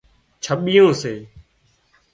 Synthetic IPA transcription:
t͡ʃʰəɓijõːseː

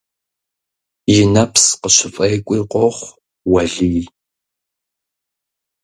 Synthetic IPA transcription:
jɪnɐpsqəɕɪfʼɐjkʷʼiqoχʷ | wɐɮiː

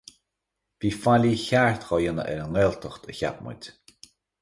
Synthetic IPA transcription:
viːfalʲiçaɹt̪xɔjənə̰ʔɛɾəŋɛlt̪ʰəxt̪ʰəça̰pmʊ̰t̪ʲ

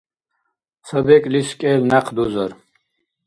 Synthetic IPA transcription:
t͡sʰəbɛkʼliskʼeːlnaqʰd̪uzəɾ

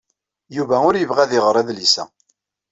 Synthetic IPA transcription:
juvæʊɾjəvʁæðɪʁəɾˤæðlisæ̰

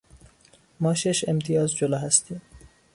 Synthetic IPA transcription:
mɒːʃeʃemt̪ʰijɒːzd͡ʒolɒːɦæst̪iːm

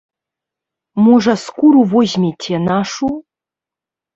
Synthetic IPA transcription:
muʐaskʷuɾuvoʑmʲetʰenaʂu

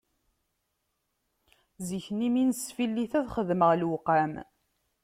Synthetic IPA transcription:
ziçniminsfilːiθæðχəðməʁlwqæm

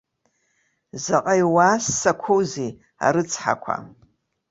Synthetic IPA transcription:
zaqʼajwaːsːakʷʰowzi | a̰ɾɨt͡sʰʼħa̰kʷʰa̰

